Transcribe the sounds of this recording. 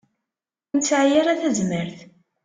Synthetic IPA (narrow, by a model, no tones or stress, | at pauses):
nt͡sːʕjaɾaθæzməɾθ